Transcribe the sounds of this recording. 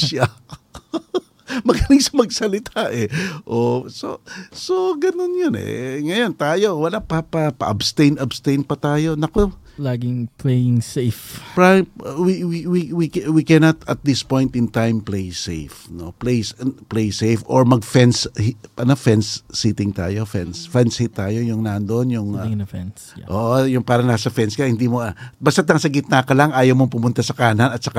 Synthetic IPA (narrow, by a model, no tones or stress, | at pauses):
ʃa | mɐɡalɪŋsɐmɐɡ̚sɐlɪt̪ʰaʔɛʔososo̞ɡɐnonjonɛ̰ŋɐjont̪aːjo̞wɐlapapɐpɐ̰ʔɐbst̪ẽjnɐbst̪ejnpɐt̪aːjo̞nɐko | laːɡɪŋplejɪŋsejfpɹawiwiwiwikwikɛnɐt̪ɐ̰t̪̚d̪ɪspõ̞jnt̪ɪnt̪ãjmplejsejfnoplejsplejsejfo̰ɹmɐɡ̚fɛnshʔɐnofɛnsːit̪ɪŋt̪a̰ːjo̞fɛnsfɛnshit̪ːaːjo̞jʊŋnand̪oʔonjʊŋfɛn | ʔoːʔojʊŋpaːɾɐnaːsɐfɛnskɐhɪnd̪imobast̪at̪ɐŋsɐɡɪt̪̚nakɐlaŋʔaːjɐwmoŋpʊmʊnt̪asɐkaɐnanɐt̪sɐka